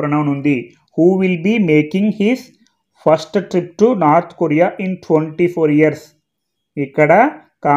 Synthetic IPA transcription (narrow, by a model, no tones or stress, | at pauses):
ɾɐɳɐʋnund̪i | huːʋilbimeːkĩŋɡhiz | fɐɾsʈʈɾip̚ʈunaːɾt̪ʰkoɾijaʔĩnʈʰʋeɳʈipʰoːɾijɐɾs | ikːɐɽɐ | kaː